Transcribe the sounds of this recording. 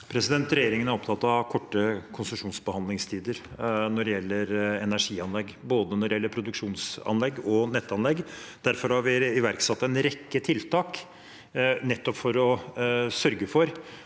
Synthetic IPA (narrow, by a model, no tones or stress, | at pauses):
pʰɾɛsɪd̪ɛnt̪ɾɛjeːɾɪŋənæɾɔpt̪ʰɑt̪ːɑɑkʰɔʈːəkʰʊnsəʂuːnsbəhɑnd̪lɪŋst̪ʰiːd̪əɾnɔɖɛjɛlːəɾɛnæʂiːɑnlɛɡːboːd̪ənɔɾɪjɛlːəɾpʰɾʊd̪ʉkʂuːnsɑ̰nlɛɡːɔnɛt̪ːɑnlɛɡd̪̥æɾfɔɾhɑɾʋɪɪʋæɾksɑt̪ːɛnɾɛkːət̪ʰɪlt̪ʰɑːk | nɛt̪ːɔpfɔɾɔsœɾɡəfɔɾ